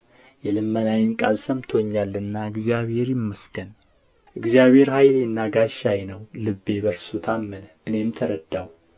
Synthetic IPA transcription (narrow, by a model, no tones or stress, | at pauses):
jɛlɨmːənajɲkʼa̰lsəmt̪ʰo̞ɲːalːɨnːaɨɡzijaβhe̞ɾjɪmːəsɡən | ʔɨɡzijaβhe̞ɾhajljɪnːaɡaʃajnəwlɨbːe̞bəɾsut̪ʰamːənəʔɨne̞mt̪ʰəɾəd̪aw